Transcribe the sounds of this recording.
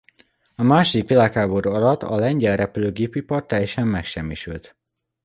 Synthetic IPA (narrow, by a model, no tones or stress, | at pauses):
ɒmaːʃod̪ikʋilaːkhaːboɾuɒlɒt̪ːɒ̰lɛɲɟɛlrɛpyløːɡeːpipɒrt̪ːɛjːɛʃɛmːɛkʃɛmːiʃylt̪